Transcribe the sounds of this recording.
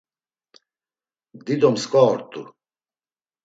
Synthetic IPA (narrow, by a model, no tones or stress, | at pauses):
d̪id̪ɔmskʼɔːɾt̪ʼṵ